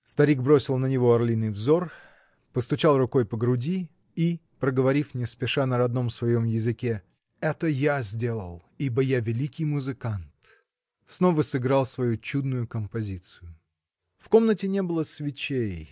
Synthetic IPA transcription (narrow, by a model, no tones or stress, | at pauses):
st̪ɐɾʲiɡ̚bɾo̞sʲɪlˠnənʲɪvo̞ɐrlʲinɨjvzo̞r | pəst̪ʊt͡ɕalˠrʊko̞jpəɡɾʊdʲiː | pɾəɡəvɐɾʲifnʲɪspʲɪʂanəɾɐd̪no̞msvɐjo̞mjɪzɨkʲe | ɛt̪əjazʲdʲe̞lˠə̰lˠ | ibəjavʲɪlʲikʲɪjmʊzɨkant̪ | snovəsɨɡɾalˠsvɐjut͡ɕud̪nʊjʊkəmpɐzʲit̪sɨjʊ | fko̞mnətʲɪnʲe̞bɨlˠəsvʲɪt͡ɕej